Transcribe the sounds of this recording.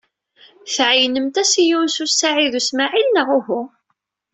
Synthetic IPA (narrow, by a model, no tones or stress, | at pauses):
θʕjnəmt̪æsijunsusaʕiðusmaʕilnəʁʊhʊ